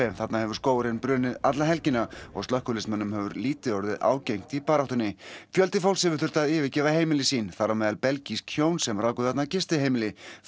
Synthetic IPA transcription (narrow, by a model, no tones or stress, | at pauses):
ɛmθat̪nahɛvʏɾ̥skoːwɾɪnpɾʏːnɪðat̪laɦɛlcɪnːaɔ̰ɣst̪œhkʏɾlɪsmanːʏmhɛvʏɾliːt̪ɪɔɾðɪðʔa̰ːwcejŋ̥t̪ipaːɾaht̪ʏnːɪfjœlt̪ɪfawlsɛvʏɾ̥θʏ̥t̪aðɪːvɪcɛːvaheːjmɪlɪsiːnθaɾːamɛːðalpɛlciskʰjoːwnsɛmraːwkʏθat̪nacɪst̪ɪhejmɪlɪ